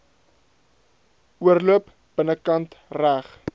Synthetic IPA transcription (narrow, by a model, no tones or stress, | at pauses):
uərluəp | b̥ənəkɐntræχ